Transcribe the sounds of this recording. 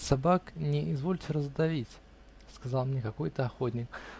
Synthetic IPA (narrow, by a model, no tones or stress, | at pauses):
sɐbaknʲɪɪzvo̞lʲtʲɪrəzd̪ɐvʲitʲ | skɐzɑlˠmnʲekɐko̞jt̪əɐxo̞t̪ʲnʲɪk